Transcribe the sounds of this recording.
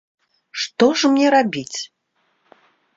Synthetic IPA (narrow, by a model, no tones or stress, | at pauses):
ʂt̪ɔʐmnʲɛɾabʲit͡sʲ